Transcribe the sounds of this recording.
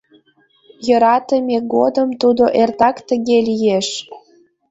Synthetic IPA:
jɤ̆ɾɑt̪ə̆mʲeɡod̪əmt̪ud̪oʔert̪ɑkt̪ə̆ɣelijeʃ

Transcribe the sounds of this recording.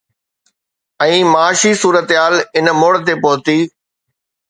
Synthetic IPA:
ɛ̃ːmaːʃisuːɾət̪ɦaːlɪnmoːɽt̪epoːt̪iː

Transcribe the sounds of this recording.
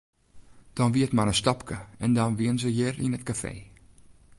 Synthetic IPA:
d̥ɔnʋiətmaɾəstɔpkəɛndɔnʋiənzəjɪrinətkafḛː

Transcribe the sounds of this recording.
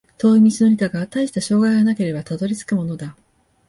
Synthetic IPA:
t̪o̞ːimʲit͡sinoɾʲit̪aɡat̪aiɕi̥t̪aɕo̞ːɡaiɡanake̞ɾe̞bat̪ad̪o̞ɾʲit͡sɨ̥kɯ̟mo̞no̞d̪a

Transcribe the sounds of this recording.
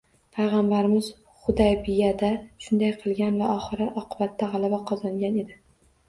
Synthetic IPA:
pʰajʁɑmbaɾɪmɪz̥ | χʊd̪ajbɪjad̪aʃʊnd̪ajqʰɨlˠɡʲanvaʔɒχɨɾɪʔɒqʰɨbat̪ʰːaʁɑlˠabaqʰɒzɒŋɡʲane̞d̪ɪ

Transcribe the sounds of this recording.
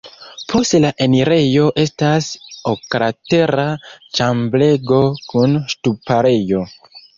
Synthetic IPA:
pʰo̞stlaʔe̞niɾe̞jo̞ʔe̞stasokɾate̞ɾat͡ʃamble̞ɡo̞kunʃtupaɾe̞jo̞

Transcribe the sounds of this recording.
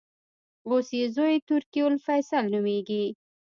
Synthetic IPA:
osjezojet̪ʊɾkiwolfajsalnʊmeɡi

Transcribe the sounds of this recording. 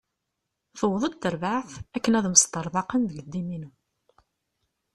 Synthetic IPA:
θəwðˤəd̪̚t̪ːəɾvaʕθækːənæðməst̪əɾˤðˤɑqənðəɡəd̪ːiminu

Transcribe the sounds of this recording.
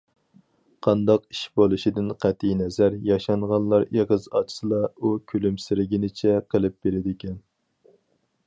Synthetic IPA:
qʰɑnd̪ɑqi̥ʃbolˠɨʃid̪ɪnqʰæt̪ʰinɛzæɾjɑʃɑɴʁɑnlˠɑɾeʁəzɑt͡ʃʰsɨlˠɑukʲʰylymsɪɾɪɡʲinɪt͡ʃʰɛqʰəlˠɨp̚b̥elɪd̪ɪkʲʰɛn

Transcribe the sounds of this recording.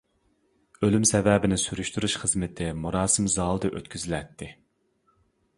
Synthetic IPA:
ølymsɛvɛːbɪnɪsyɾyʃt̪uɾuʃχəzmɪt̪ʰɪmuɾɑːsɨmzɑːlˠd̪ɨʔøt̪kʲʰyzɪlɛt̪ʰːɪ

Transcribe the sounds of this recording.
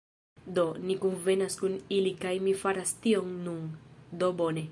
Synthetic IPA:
d̪onikunvenaskunilikajmifaɾast̪ioŋnuŋd̪obone

